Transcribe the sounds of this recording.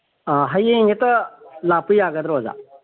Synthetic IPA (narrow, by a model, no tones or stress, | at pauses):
ɦəjeŋetɐlapɯjaɡɐd̪ɾoza̰